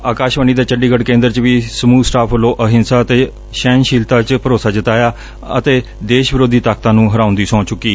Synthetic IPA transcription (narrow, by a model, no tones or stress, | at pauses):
aːkaːʃʋəniːd̪aːt͡ʃəɖiːɡəɖkẽːnd̪əɾt͡ʃʋiːsəmuːsʈaːpʰəlːoːʔəɦɪnsaːət̪eː | ʃɛːnʃiːlt̪ãːt͡ʃpəɾoːsaːd͡ʒɪt̪aːjaː | ət̪eː | d̪eːʃbɪɾoːd̪iːt̪aːk̚t̪ãːnũːɦəɾãːʊ̃nd̪iːsɔ̃ːt͡ʃʊkːiː